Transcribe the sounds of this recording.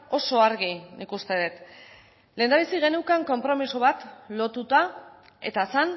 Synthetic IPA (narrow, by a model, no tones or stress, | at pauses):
o̞so̞aɾɣinikust̪e̞ðet̪ | leːnd̪aβ̞isiɣe̞nukaŋko̞mpɾo̞misoβ̞at̪lo̞t̪ut̪a | e̞̰t̪aesan